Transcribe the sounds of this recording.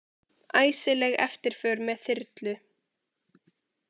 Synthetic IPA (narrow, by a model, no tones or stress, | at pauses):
aːjsɪlɛɣɛ̰ft̪ɪɾ̥fœːɾmɛðθɪɾt̪lʏ